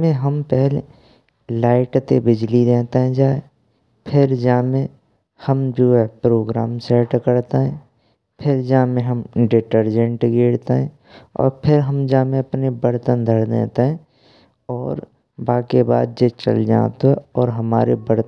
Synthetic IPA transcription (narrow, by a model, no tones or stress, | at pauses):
mẽɦəmpɛɦle | laːɪʈt̪ebɪd͡ʒlid̪eːt̪eɦɛ̃d͡ʒaːe | pʰɪɾd͡ʒaːmẽ | həmd͡ʒoːɛpɾoːɡɾaːmsɛːʈkəɾt̪eɦɛ̃ː | pʰɪɾd͡ʒaːmẽɦəmɖɪʈəɾd͡ʒə̃ɳʈɡeːɽt̪eɦɛ̰̃ | ɔ̰ːɾpʰɪɾɦəmd͡ʒaːmẽɐpnebəɾt̪ənd̪ʱəɽd̪ḛːt̪eɦɛ̃ | ɔːɾ | baːkeba̰ːd̪̚d͡ʒet͡ʃə̰ld͡ʒa̰ːt̪oɦɛɔːɾɦəma̰ːɾebəɽt̪